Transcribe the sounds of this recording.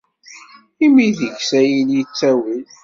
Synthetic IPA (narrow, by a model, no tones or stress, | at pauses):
imiðəʝsæjiljit͡sːæwil